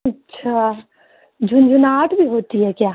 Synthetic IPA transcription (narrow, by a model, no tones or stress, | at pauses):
ɐtːʃʰa | d͡ʒʱʊnd͡ʒʱʊnaːʈbʱiɦoːt̪iɦɛkjaː